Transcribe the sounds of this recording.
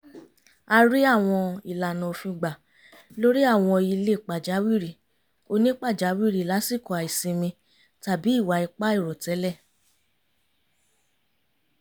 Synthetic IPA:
a˧ɾi˦a˦˨w̃ɔ̃˧i˨la˨nũ˨˧˨fĩ˧ɡ͡ba˨ | lo˦ɾi˦a˦˨w̃ɔ̃˧i˧le˦˨k͡pa˨d͡ʒa˨˦wi˦˨ɾi˨ | o˧nĩ˦k͡pa˦˨d͡ʒa˨˦wi˦˨ɾi˨la˨˦si˦˨kɔ˨a˨i˨sĩ˧mĩ˧ | ta˨bi˨˦i˦˨wa˨˦i˧k͡pa˦i˦˨ɾɔ˨tɛ˨˦lɛ˦˨

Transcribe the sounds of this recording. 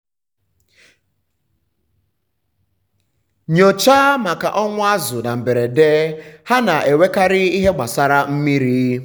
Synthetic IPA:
ɲo˨t͡ʃa˦ma˨ka̰˨ʔɔ˦ŋʷʊ˦a˦zʊ˨na˨m̩˨be˨ɾe˨deː˦ha˦na˨ʔe˨we˦ka˦ɾɪ˦i˦ɦe˦ɡ͡ba˨sa˦ɾa˦m̩˦mi˦ɾiː˦

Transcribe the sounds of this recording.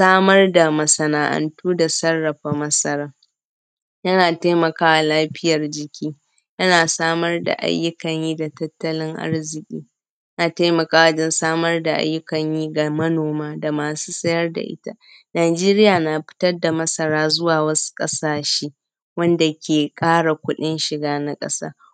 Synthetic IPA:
saː˦mɐ˦rda˨mɐ˨sɐ˨naː˨ʔɐ̰˨ntuː˦da˨sɐ˦rːɐ˨ɸa˨mɐ˦sɐ˦ɾaː˦ | jɐ˦naː˨ta˦jmɐ˨kaː˦wa˨laː˦ɸɪ˦jɐ˨rd͡ʒɪ˦kʲiː˦ | jɐ˦naː˨saː˦mɐ˦rda̰˨ʔa̰˦jːʊ˦kɐ˨ɲjiː˦da˨tɐ˦tːɐ˦lɪ˦ŋʔa̰˦rzɪ˨kʲʼḭː˦ | jɐ˦naː˨ta˦jmɐ˨kaː˦wɐ˦d͡ʒɛ˦nsaː˦mɐ˦rda˨ʔa̰˦jːʊ˦kɐ˨ɲjiː˦ɡa˨mɐ˦noː˨maː˦da˨maː˨su̥ː˦sʼɐ˦jɐ˦rda̰˨ʔɪ̰˦ta̰˦ | naː˨d͡ʒeː˦ɾɪ˦jaː˨na˨ɸɪ̥˦tɐ˦rda˨mɐ˦sɐ˨ɾaː˦zʊ˦waː˨wɐ˦su̥˦kʼɐ̰˦saː˨ʃeː˦ | wɐ˦nda˨kʲeː˨kʼaː˦ɽa˨kʷʊ˦ɗɪ˦nʃɪ˨ɡaː˦na˦kʼɐ̰˦sa̰ː˦

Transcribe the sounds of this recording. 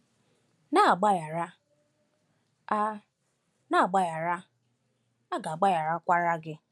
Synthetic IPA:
na˦˨ɡ͡ba˦ja˨ɾa˦ | na˦a˨ɡ͡ba˦ja˨ɾa˦ | a˦ɡa˨ɡ͡ba˦ja˨ɾa˦kʷa˦ɾa˦ɡɪ˦

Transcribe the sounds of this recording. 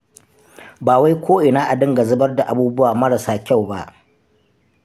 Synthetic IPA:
baː˨wa˦jkʷoː˦ʔɪ˨naː˦ʔa˨dɪ˦ŋɡa˨zʊ˦bɐ˦rda˨ʔa˨buː˦bʊ˦waː˨mɐ˦ɽa˨saː˦kʲa˦˨wba̰˦ʔ

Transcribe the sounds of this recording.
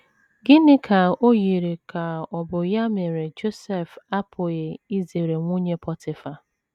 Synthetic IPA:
ɡɪ˦nɪ˦kʰa˨o˦ji˨ɾe˨ka˨ɔ˨bʊ˨ja˦me˨ɾe˨d͡ʒo˦sɛ˦fa˦pʰʊ˨je˨i˦zi˨ɾe˨ŋʷo˦ɲe˦pɔ˦tʰɪ˨fa˨

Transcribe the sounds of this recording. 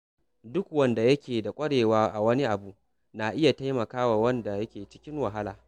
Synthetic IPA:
dʊ˦kwɐ˦nda˨jɐ˦kʲeː˨da˨kʷʼɐ˦ɽeː˨waː˦ʔa˨wɐ˦ni˦ʔa˨bu˦ | na˨ʔɪ˦ja˨ta˦jmɐ˨kaː˦wa˨wɐ˦nda˨jɐ˦kʲeː˨t͡ʃɪ̥˦kʲɪ˦ŋwa˨ɦa˦la̰ː˨

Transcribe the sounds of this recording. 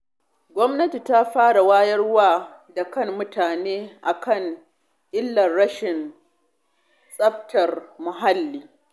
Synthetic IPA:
ɡʷɔ˦mnɐ˦ti˨ta˦ɸaː˦ɽa˨waː˦jɐ˦rwaː˦da˨kɐ˦˨mːʊ˦tʰaː˨neː˦ʔa˨kɐ˦˨ŋ | ʔɪ˦lːɐ˨rːɐ˦ʃɪ˨n | sʼɐ˦ɸtʰɐ˨rmʊ˨ɦa˦lːiː˨

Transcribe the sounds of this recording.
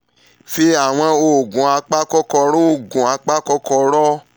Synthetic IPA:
fi˧˦a˦˨w̃ɔ̃˧o˧˨ɡũ˨a˧k͡pa˦kɔ˦kɔ˧ɾũ˦o˦˨ɡũ˨a˧k͡pa˦kɔ˦kɔ˧ɾɔ˦

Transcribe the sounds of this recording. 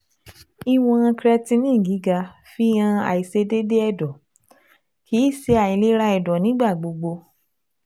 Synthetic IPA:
i˦w̃ɔ̃˧ã˧kɾɛ˧tĩ˧nĩ˦˨ɡi˨˦ɡa˧fi˦j̃ã˧a̰˨i˨se˧de˦de˦ɛ˦˨dɔ˨ | ki˨˦i˦˨se˨˧a˨i˨˧le˦ɾa˧˦ɛ˧˨dɔ˨nĩ˨˦ɡ͡ba˦˨ɡ͡bo˧ɡ͡bo˧

